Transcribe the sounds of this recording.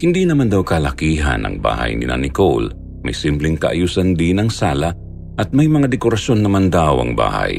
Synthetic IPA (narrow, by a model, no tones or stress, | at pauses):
hɪnd̪iːnɐmand̪awkɐlɐkiːɦa̰nʔɐ̰ŋba̰ːhɐ̰jnɪ̰nʔa̰nɪkol | mɐ̰jsɪmplɛŋkɐʔajuːsand̪ɪnɐŋsaːla | ʔɐt̪̚mɐjmɐŋad̪ɛkoɾɐsjo̞nːɐmɐnd̪awɐ̰ŋba̰ːha̰j